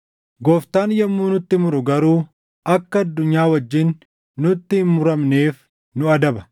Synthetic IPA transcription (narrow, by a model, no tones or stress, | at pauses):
ɡoːft̪aːnjɐmːuːnʊt̪ːɪmʊɾʊɡɐɾuː | ʔɐkːɐɐd̪ːʊɲːaːwɐd͡ʒːɪnː | ʊt̪ːɪhɪnmːʊɾɐmne̞ːf | nʊɐd̪ɐbɐ̥